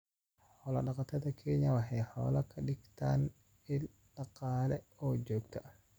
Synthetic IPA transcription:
ħɔːlɐɗɑqat̪ɐd̪ɐkʰeːɲawaħɛjħɔ̰ːlɐkʰɐɗɪɡt̪aːn | ɪl | ɗɑqaːlɛɔːd͡ʒɔːɡ̚t̪a

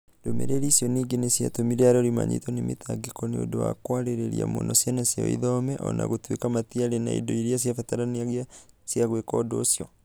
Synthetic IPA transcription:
domɛ̰ɾeɾisjɔniɡenesjatomiɾɛaɾɔɾima̰ɲḭtɔnemetaɡekɔneodowa̰kwaɾeɾeɾḭa̰mo̰nɔsjanasjaḭðɔmɛʔɔ̰na̰ɣotwekamatiaɾena̰ḭdoiɾias̬jafɛtaɾaniaɣia | sjaɣwekɔdoːsjɔ

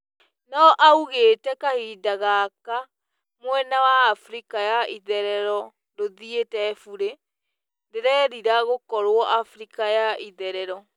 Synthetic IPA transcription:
nɔʔauɣeːtɛkahidaɣaka | mwɛnawaːfɾikajaʔiðɛɾɛɾɔ | doðietɛfuɾe | ndeɾɛɾiɾaɣokɔɾwɔʔafɾikajaʔiðɛɾɛɾɔ

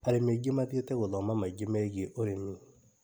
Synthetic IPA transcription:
aɾemeɡemaðjetɛɣoðɔmamaɡemɛɣeʔoɾemi

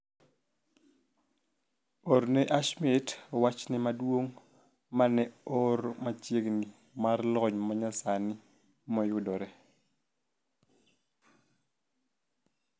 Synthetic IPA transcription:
ɔɾnɛʔaʃmitwat͡ʃnɪmadwoŋ | manɛɔɾmat͡ʃjeɡni | marlɔɲmaɲasanɪ | mɔjʊdɔɾɛ

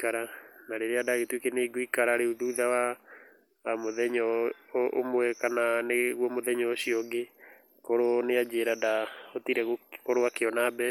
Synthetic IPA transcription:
kaɾanaɾeɾeadaɣetwekeneɡoikaɾaɾeuðuðawa | moðɛɲɔo̰mwɛkananeɣwɔmoðɛɲɔːɕiɔɡe | koɾonead͡ʑeɾadaotiɾɛɣokoɾoakeɔnabɛ

